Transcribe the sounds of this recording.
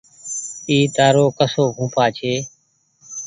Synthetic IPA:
iːt̪aːɾoːkəsoːɡʱũːpaːt͡ʃʰeː

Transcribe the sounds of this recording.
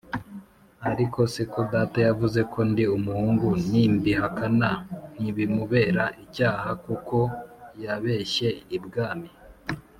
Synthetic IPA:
aɾiko̞sekodaːtajavuze̞kʰo̞ndiumuhuːŋɡunimbiɦakanan̥iβimuβe̞ːɾaʔicaːɦakuko̞jaβe̞ːʃe̞ibɡaːmi

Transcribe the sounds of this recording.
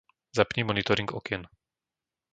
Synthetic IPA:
zapɲɛmɔnit̪ɔɾiŋɡɔ̰kɛn

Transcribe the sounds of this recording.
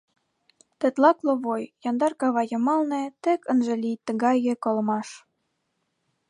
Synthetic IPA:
t̪ĕt̪lɑkloβojjɑnd̪ɑrkɑβɑjə̆mɑlnĕt̪ĕkənʒĕlijt̪ːə̆ɣɑjĕkolmɑʃ

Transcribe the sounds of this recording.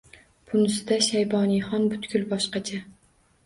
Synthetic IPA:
pʰʊnɪsɪd̪aʃajbɒniχɒnbʊt̪kʲʊlˠbɒʃqɑt͡ʃʰa

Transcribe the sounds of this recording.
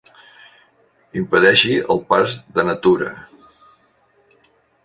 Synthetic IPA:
impəðɛʃiəlˠpazðənət̪uɾə̰

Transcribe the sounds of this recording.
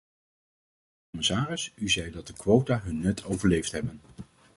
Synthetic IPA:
kɔmɪsaːrɪsyzɛjdɑt̚dəkʋowtaːɦɵnːɛtʰowvəɹlejftɦɛbən

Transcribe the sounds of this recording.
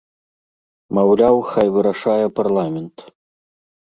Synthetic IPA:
mawlʲawxajvɨɾaʂajɛparlˠamʲɛnt̪

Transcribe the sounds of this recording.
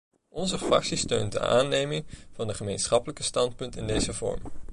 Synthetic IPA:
ʔɔnzəfrɑ̰ksistøɥnt̚də̰a̰ːnejmɪŋv̥ɑnəχəmejnsχɑpələkəstɑntpɵntɪndejzəvɔ̰ɹm

